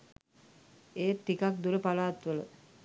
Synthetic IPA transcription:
eːt̪ːikak̚d̪uɾəpalaːt̪ʋələ̰

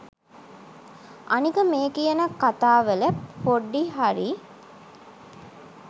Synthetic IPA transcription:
anikəmeːkijənəkat̪aːʋeləpoɖːiɦaɾi

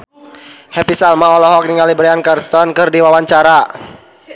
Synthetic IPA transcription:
hɛpisalmaɔlɔɦɔk̚niŋalibɾɛankarst̪ɔnkɨrdiwawaɲt͡ʃaɾa

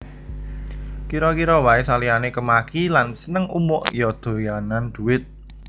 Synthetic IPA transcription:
kiɾɔkiɾɔwaesalianekəmakilansənəŋʔṵmʊʔjɔd̪̥o̤janand̪̥ṳwɪt̪̚

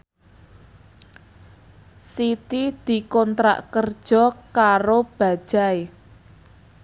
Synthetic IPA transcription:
sit̪id̪̥i̤kɔnt̪ɾa̰ʔkərd̥ʒ̥ɔ̤kaɾob̥ä̤̥ʒ̥a̤e

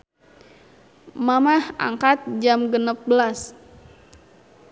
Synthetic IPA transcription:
mamaha̰ŋkat̪̚d͡ʒamɡənəp̚bəlas

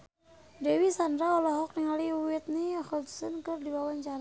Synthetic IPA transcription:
dɛwisandɾaɔlɔɦɔk̚niŋaliuwit̪̚niɔxɔlt̪u̥sənkɨrdiwawaɲt͡ʃaɾa

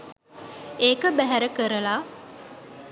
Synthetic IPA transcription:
eːkəbæɦæɾəkəɾəla

